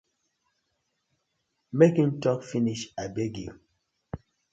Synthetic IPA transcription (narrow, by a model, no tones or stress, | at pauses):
mekĩŋtɔkfiniʃabeɡḭ